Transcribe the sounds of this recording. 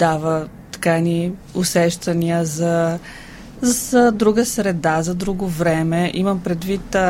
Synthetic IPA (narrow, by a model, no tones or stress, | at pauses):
d̪avə | t̪ɐ̥kaɛni | ʊsɛʃt̪ɐniəzɐ | zsəd̪ɾuɡəsɾɛd̪azɐd̪ɾuɡovɾɛmɛʔiməmpɾɛd̪vit̪